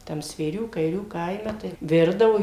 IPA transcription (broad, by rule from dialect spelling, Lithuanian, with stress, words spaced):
ˈtɐm sʲʋʲeːˈrʲuː kɐɪˈrʲuː ˈkɐɪmʲɛ tɐɪ ˈʋʲɪrdɐʋoː